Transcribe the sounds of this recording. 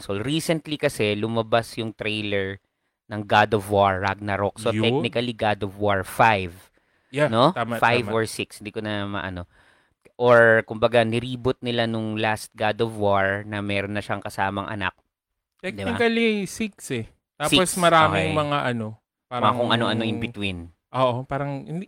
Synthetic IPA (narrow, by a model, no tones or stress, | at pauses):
solɾiːsɛnt̪likɐsɛlʊmɐbasjʊŋt̪ɾejlɛɹ | nɐŋɡad̪ovwaɹːaɡ̚nɐɾok̚sot̪ɛk̚nɪkɐliɡad̪ovwaɹfajv | janotamfajvoɹsɪkshɪnd̪ikonɐmɐ̰ʔɐ̰no̞ | ʔoɹkʊmbɐɡanɪɾiːbʊt̪̚nɪlanʊŋlast̪̚ɡad̪ovwaɹnɐmɛːɾonːɐʃaŋkɐsaːmɐ̰ŋʔɐ̰na̰k̚ | t̪ɛd̪ɪbnɪakɐlisiksɛ | t̪aːsosmɐɾaːɪŋmɐŋaʔɐno̞ | paɐŋakʊŋʔɐno̞ʔɐno̞ʔɪŋbɪt̪win | ʔoʔopaːɾɐŋɪnd̪